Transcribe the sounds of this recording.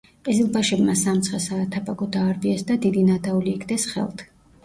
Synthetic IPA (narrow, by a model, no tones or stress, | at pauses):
qʼizilˠbaʃɛbmasamt̪sʰχɛsaːt̪ʰapʼaɡɔd̪aːɾbiɛsd̪ad̪id̪inad̪auliːkʰd̪ɛsχɛ̰lˠt̪ʰ